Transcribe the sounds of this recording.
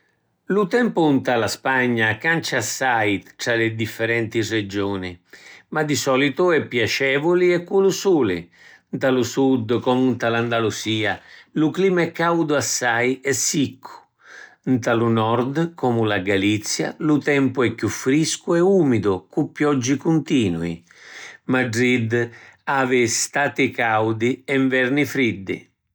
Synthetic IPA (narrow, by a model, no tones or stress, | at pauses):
lut̪ɛmpunt̪alaspaɲːakant͡ʃasːajt̪ɾalɪd̪ifːɛɾɛnt̪isrːed͡ʒoːnimad̪isɔlit̪ʊɛpːjat͡ʃɛːvʊliɛkːulusuːlɪ̰ | nt̪alusud̪kɔmunt̪aland̪alusiːalukliːmaɛkːawd̪ʊasːajɛsːikʰːu̥ | nt̪alunɔɾd̪kɔmulaɡalit̪sːja̰lut̪ɛmpʊɛkːjufːɾiskuɛuːmid̪ʊkupːjɔd͡ʒːikunt̪iːnuḭ | maɖɾid̪aːvɪst̪aːt̪ikawd̪iɛɱvɛrnifɾid̪ːɪ̰